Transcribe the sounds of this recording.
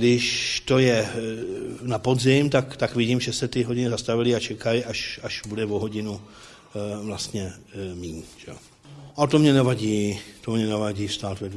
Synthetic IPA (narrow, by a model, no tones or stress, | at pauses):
dɪʃt̪o̞jɛ | napo̞zɪmt̪akt̪akvɪɟiːmʒɛsɛt̪ɪɦoɟɪnɪzast̪avɪlɪat͡ʃɛkajiʔaʃaʃbudɛvoɦo̞ɟɪnu | vlast̪ɲɛmiːnʒ̥ɛo̰ | ʔat̪omɲɛnɛvaɟiːt̪omɲɛnɛvaɟiːfst̪aːt̪vɛd